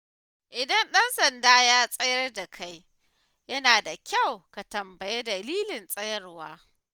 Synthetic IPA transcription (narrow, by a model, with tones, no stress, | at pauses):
ʔɪ˨dɐ˦nɗɐ˦nsɐ˨ndaː˦jaː˦sʼɐ˦jɐ˦rda˨kʰa˦j | jɐ˦naː˨da˨kʲa˦˨wka˨tɐ˨mbɐ˨je˦dɐ˨liː˦lɪ˨nsʼɐ˦jɐ˦rwaː˦